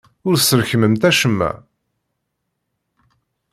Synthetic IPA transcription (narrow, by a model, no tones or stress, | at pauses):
ʊɾsəɾçməmt̪æʃəmːæ̰